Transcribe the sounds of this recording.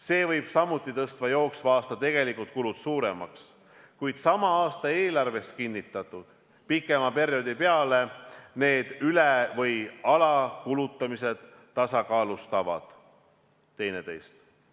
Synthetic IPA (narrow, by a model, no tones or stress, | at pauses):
se̞ːvɤjb̥sɑmːut̪ːˑit̪ɤst̪vɑjo̞ːksvɑːst̪ɑt̪e̞ɡ̥e̞likult̪̚kulud̪t̪suːɾe̞̰mɑ̰ks | kujd̪̥sɑmɑɑːst̪ɑe̞ːlɑrve̞st̪̚kinʲːit̪ːˑɑt̪ːˑud̪̥ | pikːˑe̞mɑpe̞ɾjo̞d̪ipeɑle̞ne̞ːd̪̥ylevɤjɑlɑkulut̪ːˑɑmise̞d̪̥ː | ɑsɑkɑːlust̪ɑvɑ̰d̪̥ | t̪e̞jne̞t̪e̞jst̪